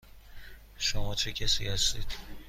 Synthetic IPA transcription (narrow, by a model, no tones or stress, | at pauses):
ʃomɒt͡ʃʰecʲʰæsḭhæst̪id̪̥